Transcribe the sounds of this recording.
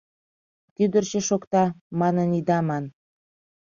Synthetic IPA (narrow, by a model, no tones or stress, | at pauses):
t̪yd̪ərt͡ɕĕʃokt̪ɑmɑnənid̪ɑmɑn